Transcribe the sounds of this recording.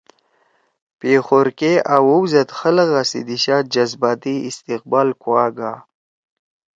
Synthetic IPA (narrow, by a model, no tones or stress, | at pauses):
peːxoɾkeawowzɐt̪xələɣasḭd̪iɕaːd͡ʑazbaːt̪iist̪iq̚baːlkwwaːɡaː